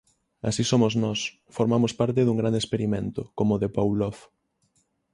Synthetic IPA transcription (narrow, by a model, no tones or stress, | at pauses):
a̰sisomoznɔs | foɾmamospaɾt̪̬ɪðuŋɡɾand̪espeɾimẽnt̪ʊkomoðepawlɔf